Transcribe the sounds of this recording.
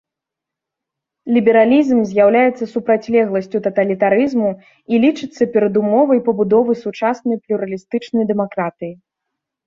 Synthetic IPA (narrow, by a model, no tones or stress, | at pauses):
lʲibʲɛɾalʲizmzʲjawlʲajɛt̪sːɐsupɾat͡sʲlʲɛɣlˠɐsʲt͡sʲut̪ɐt̪ɐlʲit̪aɾɨzmu | ilʲit͡ʂɨt̪sːɐpʲɛɾɐd̪umɔvɐjpɐbud̪ɔvɨsut͡ʂasnɐjplʲuɾɐlʲist̪ɨt͡ʂnɐjd̪ɛmakɾat̪ɨji